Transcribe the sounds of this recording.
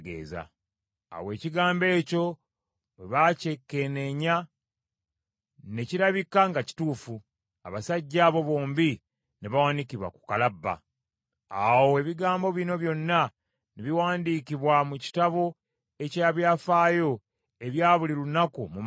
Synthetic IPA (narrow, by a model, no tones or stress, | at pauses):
ɡḛːza̰ː | we̞ːciɡaːmbe̞ːco̞ | weβaːce̞kːe̞ne̞ɲa | ne̞ciɾaβikːaŋɡaci̥tuːfu | a̰βasaɟːaːβo̞βo̞ːmbi | neβawanikiβwa̰ku̥kalabːa̰ | awoeβiɡaːmbo̞βino̞βjo̞nːa | neβiwaːndikiβwamuci̥taβo̞ | e̞caaβjaːfaːjo̞ | e̞βjaːβuliɾuunakumum